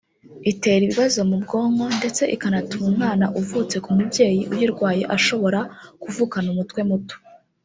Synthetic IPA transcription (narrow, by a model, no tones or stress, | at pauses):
ite̞ɾiβiβazo̞mubɡo̞ːŋɡo̞nde̞t͡se̞ʔikanatumumŋaːnaʔuvut͡se̞kumubɟe̞ːjiʔujiɾɡwaːje̞ʔaʃo̞βo̞ɾakuvuːkanumutkwe̞muto̥